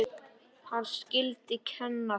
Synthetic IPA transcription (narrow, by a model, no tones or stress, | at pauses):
hanscɪlt̪ɪcʰɛnːa